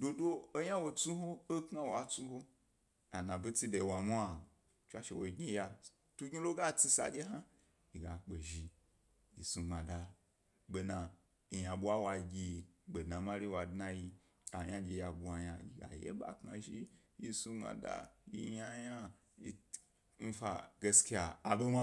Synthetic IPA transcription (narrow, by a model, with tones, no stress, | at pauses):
do˧doː˦ja˦wo˧t͡su˦ɦo˦o˦kŋa˦wa˨t͡su˦ho˦ | a˨nã˨bi˦t͡si˦de˨wa˨mu˦a˨ | t͡ʃʷa˦ʃe˨wo˨i˨ɡʲi˦ja˧ | tu˦ɡi˦lo˦ɡa˦t͡si˦sa̰˨d͡ʒʲe˦ɦa˦ | i˨ɡa˨k͡pe˨ʒi˧ | i˨su˧ŋ͡ma˨da˨ | ɡ͡be˨na˨ | i˨ja˨ɓʷa˦wa˧˨ɡʲi˧ɓe˨dna˨ma˦ɾi˦wa˨dna˧ji˧ | a˨jã˦ɡʲe˧˨ja˨bu˨a˨ja˧i˨ɡa̰˨jḛ˦ba̰˨kna˨ʒi˦ | ji˧su˧ŋ͡mã̰˨da̰˦jḭ˧˦ja˦ja˦ | i˧ | n̩˦fa˧ɡe˧ski˦a˨a˨be˦ma˦